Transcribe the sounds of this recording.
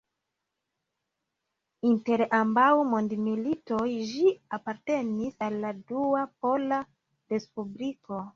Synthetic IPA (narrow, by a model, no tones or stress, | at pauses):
inte̞ɾambawmondmilito̞jʒiapaɾte̞nisalːaduapo̞la | ɾe̞spubliko̞